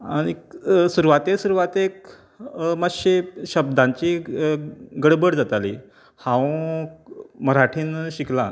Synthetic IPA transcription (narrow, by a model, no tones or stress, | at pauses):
aɽ̃isuɾʋat̪esuɾuʋat̪ek | məɕeɕəb̚d̪ãɲt͡ɕi | ɡəɽbəɽd͡zat̪alḭ | hã | məɾaʈʰiːnɕiklan